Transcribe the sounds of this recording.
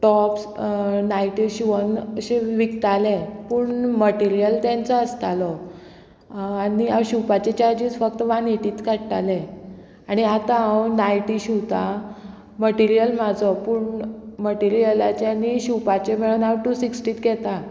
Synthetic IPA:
ʈɔpsnajʈiɕuʋənəɕeʋikt̪alepuːɳməʈiɾijəlt̪jãnt͡səəst̪alɔ | aniawɕupat͡ɕet͡ɕaɾd͡ʑid͡zfək̚t̪əʋãneʈiːt̪kaɽʈale | aɽ̃iat̪aãwnajʈiɕuwt̪a | məʈiɾijəlm̤ad͡zʱɔpuːɳməʈiɾijəlat͡ɕaniɕupat͡ɕemeɭunawʈuːsiksʈiːt̪ɡɛt̪a

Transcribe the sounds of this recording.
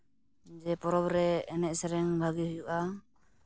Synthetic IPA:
d͡ʒɛpɔɾɔbɾɛːnɛʔ̚sɛɾɛŋbʱaɡihujuʔa

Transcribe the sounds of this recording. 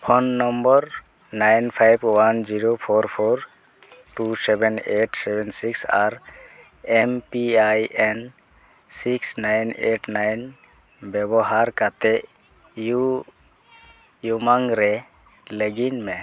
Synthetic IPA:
pʰɔnːɔmbɔɾ | najnpʰajbwand͡ʒiɾopʰoɾpʰoɾ | ʈusɛbɛneʈsɛbɛnsiksaɾ | ɛmpiajʔɛn | siksnajneʈnajn | bjɛbɔɦaɾkat̪ɛ | ju | jumaŋɾɛ | ləɡinmɛ

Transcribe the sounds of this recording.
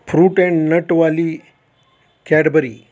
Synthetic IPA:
pʰɾuːʈɛ̃ɳnəʈʋaliː | kɛɽəbəɾḭː

